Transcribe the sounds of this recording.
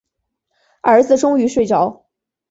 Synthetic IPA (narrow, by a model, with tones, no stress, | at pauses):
ə˞˧˥d͡zɹ̩˥˧ʈ͡ʂʊ˥ŋy˧˥ʂwe˥˩ɪt͡ɕjɑ˧˥ʊ